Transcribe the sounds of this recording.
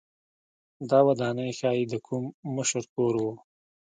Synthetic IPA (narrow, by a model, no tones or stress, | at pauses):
d̪ɑwad̪ɑnəjxɑjid̪əkʰumːʊʃəɾkoɾwu